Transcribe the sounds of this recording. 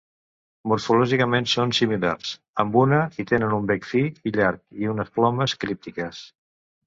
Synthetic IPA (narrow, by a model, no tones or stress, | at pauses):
muɾfulɔʒikəmensonsimila̰rs | əmbunəit̪enənumbɛkfiiʎaɾkiunəsplɔməskɾip̚t̪ikəs